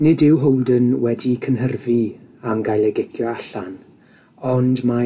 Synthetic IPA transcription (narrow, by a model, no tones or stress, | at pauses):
nɪdɪwɦowlˠdənwɛdikʰənɦərviamɡajlˠɛɡɪkʰjɔaɬan | ɔndma